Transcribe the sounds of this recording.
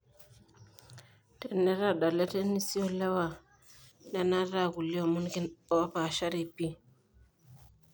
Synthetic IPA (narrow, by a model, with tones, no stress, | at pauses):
tɛ˨nɛ˦ɾa˦˨ɗa˨lɛ˦tɛ˦ni˦si˦o˦lɛ˦wa˨ | na˦na˦ɾa˦˨ɡu˨li˦o˨mu˦nki˦nɔ˨a˦pa˨ʃa˦ɾi˨pi˦